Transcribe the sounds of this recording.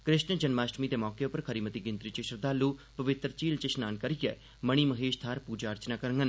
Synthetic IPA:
kɾɪʃnd͡ʒənmaːʃʈmiːd̪eːmɔːkeʊpəɾkʰəɾiːmət̪iːɡɪ̃nt̪ɾiːt͡ʃeʃəɾd̪aːlːuːpəʋɪt̪ɾt͡ʃiːlt͡ʃeʃnaːnkəɾijɛ̰ː | məɽ̃iːməɦeːʃt̪ʰaːɾpuːd͡ʒaːəɾt͡ʃnaːkəɾəŋɡən

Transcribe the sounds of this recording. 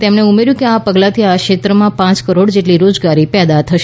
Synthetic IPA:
t̪emɳeumeɾjũkeapəɡlat̪ʰiakʃet̪ɾəmãpãt͡ʃkəɾoɽd͡ʒeʈliɾod͡ʒɡaɾipɛd̪at̪ʰəʃe

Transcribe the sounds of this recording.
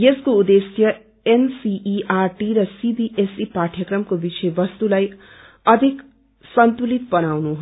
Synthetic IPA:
jeskoud̪esjʌ | ensiʔːʔarʈiɾʌsibiʔesipaʈʰjʌkrʌmkobisʌjbʌst̪ulaj | ʌd̪ʱik | sʌnt̪ulit̪bʌnawnuɦ

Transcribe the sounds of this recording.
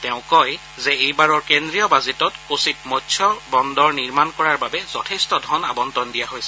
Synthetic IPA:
tɛʊ̃kɔj | zɛejbaɹɔɹkendɹijɔbazetɔtkositmɔtsʰɔbɔndɔɹniɹmankɔɹaɹbabɛz̥ɔtʰɛstɔdʱɔna̰bɔntɔndijaɦojsɛ̥

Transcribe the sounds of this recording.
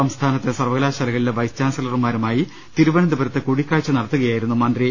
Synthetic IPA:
ɐmst̪ʰaːnɐt̪ːesɐrʋɐɣɐlaːɕɐlɐɣɐɭileʋɐjst͡ɕaːnsɐlɐrumaːɾumaːji | t̪iɾuʋɐɳɐnd̪ɐbɐɾɐt̪ːekuɽikʲːaːɻt͡ɕːɨnɐɽɐt̪ːuɣɐjaːjiɾunːumɐnd̪ri

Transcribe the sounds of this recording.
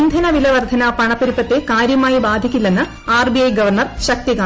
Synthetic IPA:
nd̪ʱɐnɐʋilɐʋɐrd̪ʱɐnɐpɐɳɐpːɐɾipːɐt̪ːekaːɾjɐmaːjibaːd̪ʱikʲːulːenːɨ | aːrbiɐjɡɐʋɐrɳɐrɕɐk̚t̪ikaː

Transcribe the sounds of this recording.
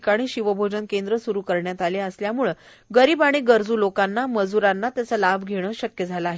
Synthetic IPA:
kaɽ̃iːɕiʋəbʱod͡ʑənkend̪ɾəsuɾuːkəɾɳjat̪aleəsljamuːɭ | ɡəɾiːbaɽ̃eɡəɾd͡zuːlokanːaməd͡zuɾanːat̪jat͡səlabʱɡʱeɽ̃əːɕəkjəd͡zʱaləaɦe

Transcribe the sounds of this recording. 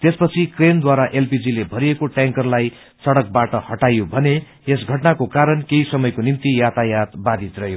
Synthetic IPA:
t̪espʌt͡sʰikrend̪waɾaʔelpid͡zilebʱʌɾiekoʈjãŋkʌrlaj | t͡sʌɽʌk̚baʈʌhʌʈajobʱʌne | esɡʱʌʈnakokaɾʌnkeisʌmʌjkonint̪ijat̪ʰajat̪bad̪ʱit̪rʌjo

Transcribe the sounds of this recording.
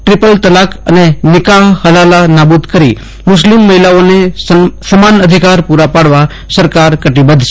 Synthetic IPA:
ʈɾɪpəlt̪əlakə̰nenɪkaɦhəlalanabud̪kəɾi | mʊslimːəɦilaonesəmanəd̪ʱikaɾpuɾapaɽʋa | səɾkaɾkəʈibəd̪ʱʃ

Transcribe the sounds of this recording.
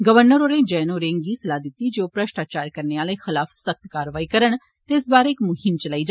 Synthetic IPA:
ɡəʋəɾnəɾoːɾẽːd͡ʒɛːnoːɾẽːŋɡiːsəlaːd̪ɪt̪ːiːd͡ʒoːpɾəʃʈaːt͡ʃaːɾkəɾneːaːləːxɪlaːfʰsək̚t̪kaːɾʋaːiːkəɾəɳ̃ | t̪eːsbaːɾeɪkmʊhɪmt͡ʃəlaːiːd͡ʒaː

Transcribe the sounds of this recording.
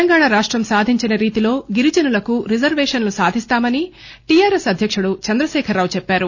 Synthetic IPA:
ɐŋɡaːɳaɾaːʂʈɾɐmsaːd̪ʱiɲt͡ʃinɐɾiːt̪ilo̞ːɡiɾid͡ʒɐnulɐkuɾid͡ʒɐɾʋeːʂɐnlusaːd̪ʱist̪aːmɐni | ʈijaːɾesɐd̪ʱjɐkʂuɽut͡ʃɐnd̪ɾɐʃɛːkʰɐɾːaːwut͡ʃɛpːaːɾu

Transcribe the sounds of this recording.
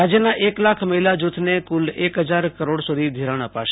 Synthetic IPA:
ad͡ʒjənaʔeklakʰməɦilad͡ʒut̪ʰnekulekɦəd͡ʒaɾkəɾoɽsud̪ʱid̪ʱiɾaɳ̃əpa̰ʃ

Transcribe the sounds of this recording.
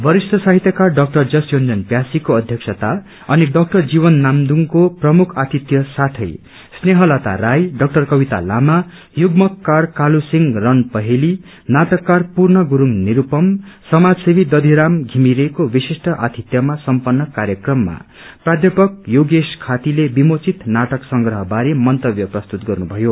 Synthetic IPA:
bʌɾisʈʌsaɦit̪jʌkarɖʌk̚ʈʌrd͡zʌsjond͡zʌnpjasikoʌd̪ʱjʌksʰʌt̪a | ʌniɖʌk̚ʈʌrd͡zibʌnːamd̪uŋkoprʌmukʰat̪it̪jʌsat̪ʰʌj | sneɦʌlat̪a̰ɾajɖʌk̚ʈʌrkʌbit̪a̰la̰ma | juɡmʌkːarkalusiŋrʌnpʌɦeli | nat̪ʌkːarpurnʌɡuɾuŋniɾupʌmsʌmad͡zsebid̪ʌd̪ʱiɾamɡʱimiɾekobisisʈʌʔat̪ʰit̪jʌmasʌmpʌnːʌkaɾjʌkrʌmːa̰ | prad̪ʱjʌpʌk̚joɡeskʰat̪ilebimot͡sit̪naʈʌksʌŋɡɾʌɦʌbaɾemʌnt̪ʌbjʌprʌst̪ut̪̚ɡʌrnubʱʌjo

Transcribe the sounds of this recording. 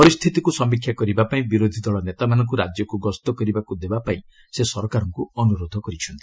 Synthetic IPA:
pɔɾist̪ʰit̪ikusɔmbikʰjakɔɾibapaĩbiɾod̪ʱid̪ɔɭɔnet̪amanɔ̃ŋkuɾad͡ʒjɔkuɡɔst̪ɔkɔɾibakud̪ebapaĩ | sesɔɾkaɾɔŋkuɔnuɾod̪ʱɔkɔɾit͡ʃʰɔnt̪ʰi̥

